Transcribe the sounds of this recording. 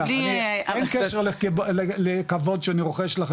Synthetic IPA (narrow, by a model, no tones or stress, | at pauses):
enkeʃeʁleelelekavo̞d̪ʃeaniʁoχeʃlaχ